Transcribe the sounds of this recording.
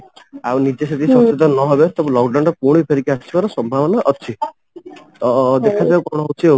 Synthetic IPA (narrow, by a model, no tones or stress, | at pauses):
awnid͡ʒesed̪isɔt͡ʃed̪ʱɔnɔɦɔbet̪ɔbũlɔkɖawɳɖɔpuɽ̃ipʰeɾikiat͡ʃʰibaɾɔsɔmbʱaʋɔnaʔɔt͡ʃʰi | d̪ekʰad͡ʒawkɔɽ̃ɔɦut͡ʃʰio